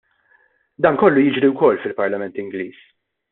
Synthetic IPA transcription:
d̪ɐːnkɔlːujɪd͡ʒɾiwkɔlːfɪlpɐɾlɐmɛnt̪ɪŋɡliːs

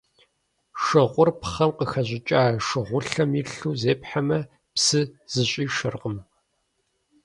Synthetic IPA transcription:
ʂɨʁʷʊrpχɐmqəxɐʑɪt͡ʃʼaːʂɨʁʷʊɬɐmiɬuːzeːpħamɐ | psɨz̥ɨɕʼiːʃɨrqəm

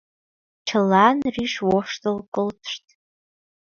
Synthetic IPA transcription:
t͡ʃʰɨlanriʂwoʂtʼɨlkʼɨltʰʂtʼ

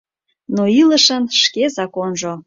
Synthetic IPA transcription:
noiləʃənʃkezɑkonʒo

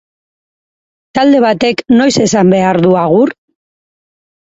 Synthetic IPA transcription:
t̪ald̪e̞β̞at̪e̞kno̞jse̞sambe̞aɾðuaɣ̞ur

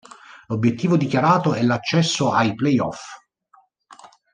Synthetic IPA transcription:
lobːjet̪ːiːvod̪ikjaɾaːt̪oɛlːat͡ʃːɛsːoajplɛjɔ̰f

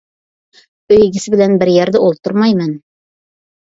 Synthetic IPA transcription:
ɵ̆jɡɘ̆sɘbɘ̆lænbɘ̆ɾjæɾðɘʔulˠt̪oɾmɑjmɘn

